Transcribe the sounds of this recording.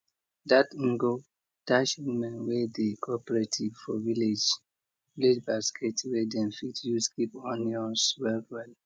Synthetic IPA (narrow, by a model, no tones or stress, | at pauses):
datĩŋɡo | taʃimɛ̃nwedekʰɔpɹetʰivfɔviled͡ʒ | viled͡ʒbaskʰetwedɛ̃nfitjuskipɔ̃nɔswɛlwɛl